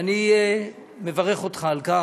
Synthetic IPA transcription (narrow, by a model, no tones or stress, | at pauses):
ni | me̞vaʁeχo̞t̪χaːlka